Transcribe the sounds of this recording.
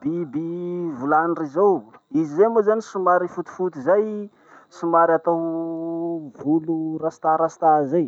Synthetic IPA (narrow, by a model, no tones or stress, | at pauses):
bibivulanrizawizizemozanisumaɾifut̪u̥fut̪izaj | sumaɾat̪aw | vulurasi̥t̪aɾasi̥t̪azaj